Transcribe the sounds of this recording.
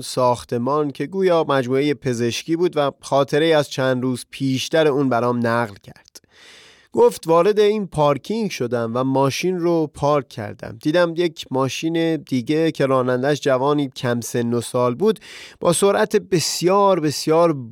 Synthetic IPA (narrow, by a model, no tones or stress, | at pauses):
sɒːxt̪ʰe̞mɒːncʰe̞ɡuːjɒːmæd͡ʒmuːe̞je̞pʰe̞ze̞ʃciːbuːd̪væxɒːt̪ʰe̞ɾejiːæzt͡ʃʰænd̪ɾuːzpʰiːʃt̪æɾe̞uːnbæɾɒːmnæɣlcʰæɾd̪̥ | ɡ̥oft̪vɒːɾe̞d̪e̞iːnpʰɒːɾkʰiŋɟʃo̞d̪æmvæmɒːʃinropʰɒːɾkʰːæ̰ɾd̪æ̰md̪iːd̪æmjekʰmɒːʃiːne̞d̪iːɟe̞cʰe̞ɾɒːnænd̪æʃd͡ʒævɒːniːcʰæmse̞nːosɒːlbuːd̪b̥ɒ̰ːso̞ɾʔæt̪ʰebe̞sjɒːɾbe̞sjɒːɾ